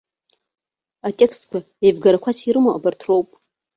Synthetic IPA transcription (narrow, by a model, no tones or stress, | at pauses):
atʼe̞kstkʷʰa | ejbɡaɾakʷʰat͡sʰiɾɨmoʔabartʰro̞wpʼ